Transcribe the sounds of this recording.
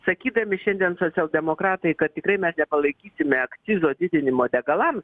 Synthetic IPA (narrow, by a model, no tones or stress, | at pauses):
sɐkʲiːd̪ɐmʲɪʃʲɛnʲd̪ʲiɛnsoːt͡sʲsʲɛlˠd̪ʲɛmoːkɾɑːt̪ɐɪkɐt̪̚t̪ʲɪkɾɐɪmʲɛsnʲɛpɐlˠɐɪkʲiːsʲɪmʲɛɐkt͡s̪ʲɪzoːd̪ʲɪd̪ʲɪnʲɪmoːd̪ʲɛɡɐlˠɐms